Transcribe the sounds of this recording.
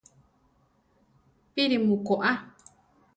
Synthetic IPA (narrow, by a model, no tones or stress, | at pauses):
piɾimũkoʔa